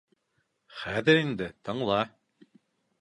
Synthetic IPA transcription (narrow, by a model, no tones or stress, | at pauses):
χæːðɘɾind̪ɘt̪ɤɴlˠɑ